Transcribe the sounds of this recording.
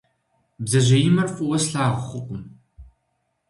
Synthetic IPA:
bzɐʑɐjɪmɐrfʼʊwɐsɬaːʁχʷʊqʷʼʊm

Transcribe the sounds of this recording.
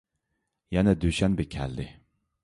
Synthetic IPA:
jɛnɛd̪øʃɛnbɪkʲʰɛ̰ld̪ɪ

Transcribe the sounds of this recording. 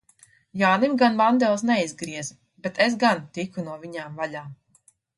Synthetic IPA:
jaːnimɡanvand̪ɛlˠsnɛizɡɾiɛz | bet̪es̬ɡant̪ikunuɔviɲaːmvaʎaːm

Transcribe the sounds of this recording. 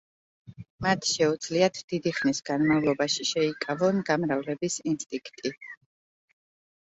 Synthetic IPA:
mat̪ʰʃɛud̪z̥liat̪ʰd̪̥id̪iχnisɡanmavlˠɔbaʃiʃɛikʼavɔnɡamɾavlɛbisinst̪ʼĩŋkʰt̪ʼi

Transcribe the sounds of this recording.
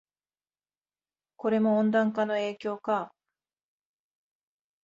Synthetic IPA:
ko̞ɾe̞mõ̞ːnd̪ãŋkano̞e̞ːkʲo̞ːka

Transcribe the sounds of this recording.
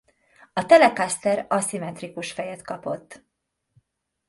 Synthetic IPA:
ɒt̪ɛlɛkast̪ɛɾɒsimɛt̪rikuʃfɛjɛt̪kɒpo̞̰t̪ː

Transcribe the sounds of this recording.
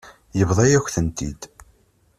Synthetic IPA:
jəvðˤɑjæçʷθənt̪ḭd̪

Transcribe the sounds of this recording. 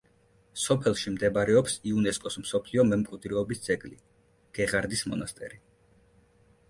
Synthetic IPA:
sɔpʰɛlˠʃimd̪ɛbaɾɛɔpsiunɛskʼɔsmsɔpʰliɔmɛmkʼwud̪ʼɾɛɔbisd̪z̥ʼɛɡʼli | ɡ̥ɛʁaɾd̪ismɔ̰nast̪ʼɛ̰ɾi

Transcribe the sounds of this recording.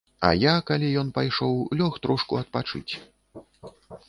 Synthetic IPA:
ɐ̰jakalʲijɔn̪pajʂɔwlʲɔxt̪ɾʔɔʂkuɐt̪̚pat͡ʂɨ̰t͡sʲ

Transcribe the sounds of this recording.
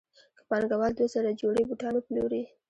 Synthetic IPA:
kəpɑnɡawɑld̪wosaɾad͡ʒoɽebuʈɑnoploɾi

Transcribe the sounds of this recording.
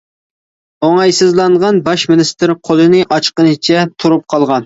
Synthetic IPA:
oŋɑjsɨzlˠɑɴʁɑnbɑʃmɪnɪst̪ɪɾqʰolˠɨnɨʔɑt͡ʃqənɨt͡ʃʰɛt̪ʰuɾup̚qʰɑlˠʁɑn

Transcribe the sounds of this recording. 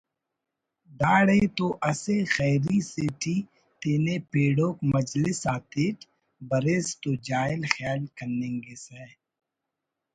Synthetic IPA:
d̪aːɽeːt̪oːʔɐsexɛːɾiseʈʰiː | t̪eːnepeːɽoːkmɐd͡ʒlɪsaːt̪eːʈ | bɐɾeːst̪oːd͡ʒaːɪlxjaːlkɐnːẽːŋɡeːsɛː

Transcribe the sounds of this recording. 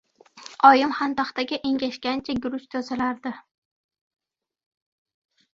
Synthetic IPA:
ɒjɪmhant̪aχt̪aɡʲɪʔeŋɡʲaʃkʲant͡ʃʰaɡʲʊɾʊʃt̪ʰɒzalaɾd̪ɪ

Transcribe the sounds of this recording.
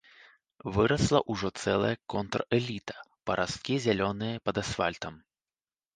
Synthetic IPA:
vɨɾɐslˠɐʔuʐɔt̪sɛlˠɐ̰jɐkɔnt̪rɛlʲit̪ɐ̥pɐɾʔas̚kʲizʲalʲɔnɨjɐpɐd̪asfa̰lʲt̪ɐm

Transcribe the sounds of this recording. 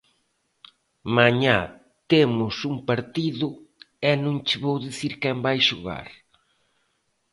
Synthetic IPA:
maɲa | t̪emʊsuŋpaɾt̪iðʊ | ɛnõŋt͡ʃɪβowðiθiɾkɛmbajʃʊɣa̰ɾ

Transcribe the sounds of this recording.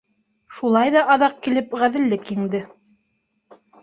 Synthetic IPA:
ʃulˠɑjðɑʔɑðɑq̚kilɘpʁæðɘ̆lːɘkɘ̆ŋd̪ɘ

